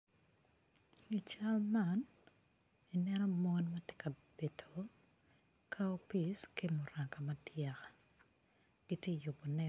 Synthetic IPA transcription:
i˨t͡ʃa˦lma˨n | i˨nɛnɔ˦mɔ˦nma˦tje̥˦kʰa˨b̥e˨tʰo˨ | kʰa˦o˦pi˨ske˦mo˨ra˨ka˨ma˦tja˨kḁ˨ | ɡ̥i˦tje˦˨jʊ˨pɔ˨nɛ˦

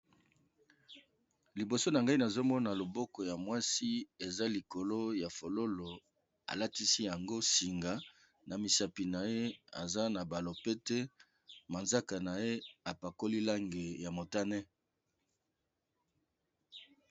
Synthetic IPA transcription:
li˨bo˨so˦na˨ŋɡa˦i˦na˨zo˦mɔ˦na˨lo˨bɔ˦kɔ˨ja˨mwa˦si˦e˨za˦li˨ko˨lo˦ja˨fo˨lo˦lo˨ | a̰˨la˦ti˦si˦ja˨ŋɡo˦si˨ŋɡa˨ | na˨mi˨sa˨pi˨na˨je˦a̰˨za˦na˨ba˨lo˨pe˦tɛ˦ | ma˨nza˦ka˨na˨je˦a˨pa˨ko˦li˦la˦ŋɡe˨ja˨mo˨ta˦nɛ˦

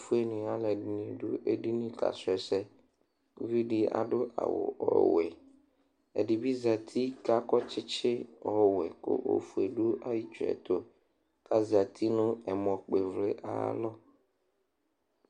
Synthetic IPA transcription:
fu˦e˦nĩ˨a˦lɛ˨ɖi˨nĩ˨ɖo˦ʔe˨ɖi˦nĩ˦ka̰˨sɛ˨sɛ˦ | vi˦ɖi˦a̰˨ɖo˦ʔa̰˨wo̰˨ɔ̰˨wɛ˨ | ḛ˨ɖi˨bi˦za˨t̪ʰi˦ka˦kɔ˦t͡ʃɪ˦t͡ʃɪ˦ɔ˦wɛ˨ko̰˦ʔo̰˦fu˨e˨ɖo˦a˦ji˦t͡ʃu˨ɛ̰˨t̪o˦ | ka˦za˨t̪ʰi˦nʊ̃˦ɛ˨mɔ̃˨k͡pe˨vle˦ʔa̰˨˦lɔ˦

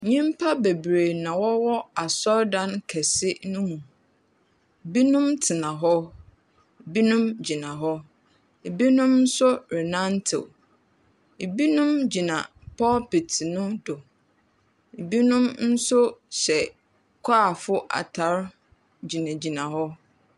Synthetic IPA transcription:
ɲĩ˦m˦pʰa˦be˨bɾe˨nã˨wɔ˦wɔ˦a˨sɔ˦ɾdã˦nkʰɛ˨sɪ˦nʊ̃˦mũ˨ | e˨bi˦nũ˦mtʰɪ˨nã˨ɦɔ˦ | e˨bi˦nũ˦md͡ʑi˨nã˨ɦɔ˦ | e˨bi˦nʊ̃˦mn̩˦sʊ˦ɾɪ˨nã˦ntʰɪ̰˨ | e˨bi˦nũ˦md͡ʑi˨nã˨ | pʰɔ˦pi˨tʰnʊ̃˦dʊ˨ | e˨bi˦nʊ̃˦mn̩˦sʊ˦ɕɛ˨ | kʷʰaː˦˨fʊ˦ʔa̰˨tʰa˨˦ɾ | d͡ʑi˨nã˨d͡ʑi˨nã˨ɦɔ˦

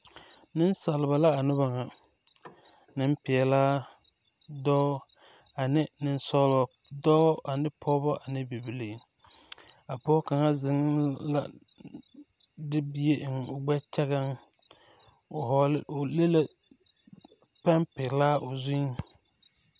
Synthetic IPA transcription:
nɪ˦nsa˨lɪ˨ba˨la˦a˨nʊ˦ba˨ŋa˨ | nɪ˦mpɪ˨ɛ˨laː˦ | dɔː˦ | a˨nɪ˦nɪ˦nsɔ˦lɔ˨ | dɔ˦ʔa˨nɪ˦pʰɔ˦bɔ˦ʔa˨nɪ˦bi˨bi˨li˨ | a˨pɔː˦ka˨ŋa˦zɪ˨ŋ˦la̰˦ | dɪ˦bi˦e˦ʔŋ˨ʊ˨ɡ͡bɛ˦t͡ʃɛ˦ɣa˦ŋ | ʊ˨ɦɔ˨lɪ˦ʊ˨le˦le˦ | pɛ˦mpɪ˨laː˦ʔʊ˨zʊ˦ŋ˦

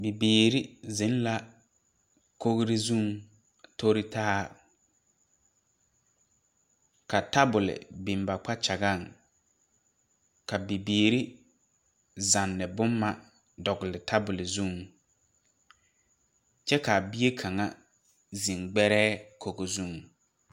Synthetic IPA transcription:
bi˨biː˨ɾi˦zɪ˨˦n˦la˦ | ko˦ɣɾɪ˦zũ˦˨ŋ | to˦ɾɪ˦tʰaː˦ | ka˨ta˦bʊ˨lɪ̰˨bi˨m˨ba˨k͡pa˦t͡ʃa˨ɡa˦˨ŋ | ka˨bi˨biː˨ɾi˦ | za˨nːɪ˨bʊ˦mːa˦ | dɔ˨ɡɪ˨lɪ˨tʰa˦bʊ˨lɪ˨zu˦˨ŋ | t͡ʃɛ˦ka˨bi˦e˦kʰa˨ŋa˦ | zi˨ŋɡ͡bɛ˦ɾɛː˦kʰo˨ɡo˨zu˦˨ŋ

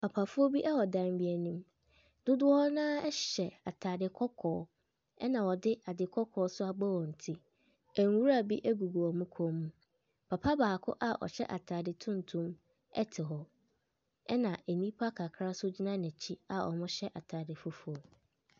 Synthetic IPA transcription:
pʰa˨pʰa˨fʊ˦o˦bi˦ʔɛ˦hɔ˨dã˦n˦bi˦æ˨nũ˦m | d̥ʊ˦dʊ˦ɔ˦hɔ˦nãː˦ɛ˦ɕɛ˨a˨tʰaː˨dɪ˨kʰɔ˦kʰɔː˨˦ | ɛ̰˦nã˨wɔ˨dɪ˦ʔa˨dɪ˨kʰɔ˦kʰɔː˨˦sʊ˦a˨ɡ͡bɔ˦wɔ˨n̩˨tʰi˦ | æ˨ŋ˨wu˦ɾa˨bi˦ʔæ˦ɡu˨ɡu˨ɔ˨mũ˦kʰɔ̃˦mːũ˦ | pʰa˨pʰa˦baː˨kʰʊ̰˦ʔa˦ʔɔ̰˨ɕɛ˦ʔa˨tʰaː˨dɪ˨tʰũ˦n˨tʰũ˦m | ɛ̰˦tʰɪ˨ɦɔ˦ | ɛ˦nã˨ʔe˨nĩ˦pʰa˦kʰa˨kʰɾa˦sʊ˦d͡ʑi˦nã˦nɛ̃˨t͡ɕʰi˦a˨ɔ̰˨mʊ̃˦ɕɛ˦ʔa˨tʰaː˨dɪ˨fʊ˦fʊ˦o˦

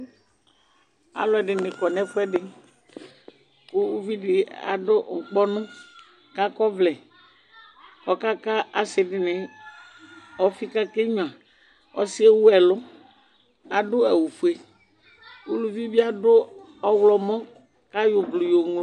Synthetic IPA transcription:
a̰˨lʊ˦ɛ˨ɖɪ˨nɪ̃˨kɔ˨nɛ̃˦fʊ˦ɛ˦ɖɪ˨ | kʊ˦u˦vi˦dɪ˨a̰˨dʊ˦˨ŋ̩˨k͡pɔ˦nʊ̃˦ | ka˦kɔ˦vlɛ˨ | ɔ˦ka˦ka˦a˨sɪ˨dɪ˨nɪ˨ | ɔ˦fi˦ka˦ke˦ɲʊ̃˨ã˨ | ɔ̰˦si˦e˦wu˦ɛ˨lʊ˦ | a˨dʊ˦ɛ˨wu˨fu˨e˨ | u˦lu˦vi˦bi˦a˦dʊ˦ | ɔ˦wlɔ˨mɔ̃˦ | ka˦jʊ˨blʊ˨jo˨ŋ˨˦

